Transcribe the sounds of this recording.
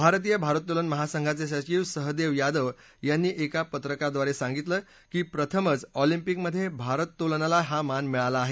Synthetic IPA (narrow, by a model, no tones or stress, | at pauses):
bʱaɾt̪̬iːjəbʱaɾət̪ːolənməɦasəŋɡʱat͡seɕ̬at͡ɕiːʋsəɦd̪eʋjad̪əʋ | janːiːʔekapət̪ɾəkad̪ʋaɾesãŋɡit̪ləː | kiːpɾət̪ʰəmət͡sɔlimpikməd̪ʱːjebʱaɾət̪ːolnalaɦamanmiɭalaːɦe